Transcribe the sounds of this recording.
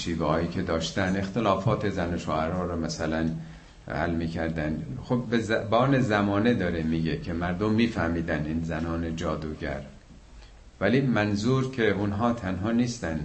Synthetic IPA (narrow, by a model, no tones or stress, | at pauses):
ʃiːvehɒːiːkʰe̞d̪ɒːʃt̪ænd̪e̞xt̪elɒːfɒːt̪ʰe̞zænoʃo̰ʔæɾɒːɾɔːmæsælæn | hæ̰lmiːkʰæɾd̪ænd̪xobbezbɒːne̞zæmɒːned̪ɒːɾemiːɡekʰemæɾd̪omːiːfæhmiːd̪æniːnzænɒːned͡ʒɒːd̪uːɡæ̰ɾ | væliːmænzuːɾkʰe̞unɦɒːt̪ʰænɦɒːniːst̪ænd̪